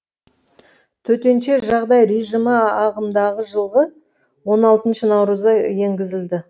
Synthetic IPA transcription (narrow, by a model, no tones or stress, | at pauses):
t̪ʰɵt̪e̞nʃe̞ʒɑʁd̪ɑjɾejʒəməɑʁəmd̪ɑʁəʒəlˠʁə | wo̞nɑlˠt̪ənʃənɑwɾəzɑje̞ŋɡʲɪzɪld̪ɪ